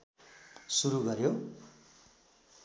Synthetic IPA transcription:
suɾuɡʌɾjo

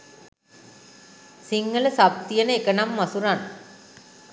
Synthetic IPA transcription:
siŋːɐlɐsab̚t̪ijɐnəekɐnamːɐsuɾan

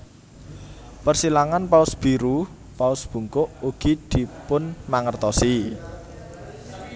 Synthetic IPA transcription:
pərsilaŋanpaʊsb̥i̤ɾu | paʊsb̥ṳŋkʊʔuɡ̥i̤d̪̥i̤pʊnmaŋərt̪ɔsi

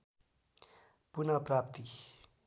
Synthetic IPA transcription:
punʌprapt̪i

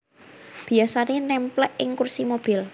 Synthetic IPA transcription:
b̥i̤asanenɛmplɛʔɪŋkursimob̥il

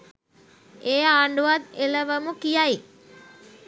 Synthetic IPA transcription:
eːaːɳɖuʋad̪eləʋəmukijai

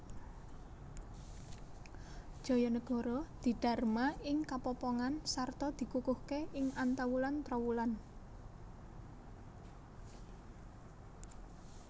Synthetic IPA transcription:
ʒ̥ɔ̤jɔnəɡ̥ɔ̤ɾɔd̪̥i̤ɖ̪̥a̤rmaɪŋkapɔpɔŋansart̪ɔd̪̥i̤kukʊhkeʔɪŋant̪awulant̪ɾɔwulan

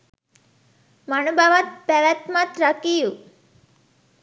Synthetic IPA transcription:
mənubʱaʋət̪̚pəɾat̪mat̪ɾəkiju

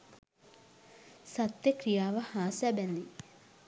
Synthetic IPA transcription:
sat̪ːjəkrijaːʋəhaːsɛbænd̪i

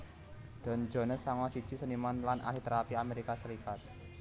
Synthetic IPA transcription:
d̪̥ɔ̤nd͡ʒɔ̤nəsːaŋwasid̥d͡ʒ̥i̤sənimanlanʔa̰ɦit̪əɾapiameɾikasəɾikat̪̚

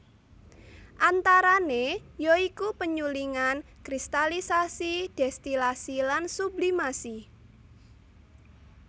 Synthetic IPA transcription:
ʔant̪aɾanejoikupəɲuliŋan | kɾist̪alisasid̥ɛst̪ilasilansublimasi

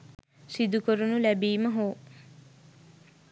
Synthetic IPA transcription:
sid̪ukoɾunulæbiːmɐɦoː

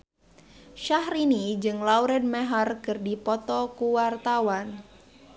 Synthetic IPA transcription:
ʃahrinid͡ʒɨŋlauɾɛd̚mɛɦarkɨrdipɔt̪ɔkuwart̪awan

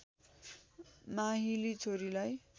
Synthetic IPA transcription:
maɦilit͡sʰoɾilaj

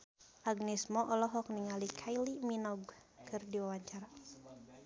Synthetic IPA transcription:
ʔaɡnismɔʔɔlɔɦɔk̚niŋalikʰajliminɔɡkʰɨrdiwawaɲt͡ʃaɾa

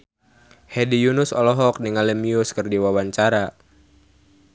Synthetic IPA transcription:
hɛdijunusɔlɔɦɔk̚niŋalɛmiuskɨrdiwawaɲt͡ʃaɾa

